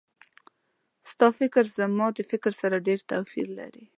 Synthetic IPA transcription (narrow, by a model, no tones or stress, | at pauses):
st̪ɑfɪkɾzəmɑd̪əfɪkɾsaɾaɖeɾt̪asḭɾla̰ɾi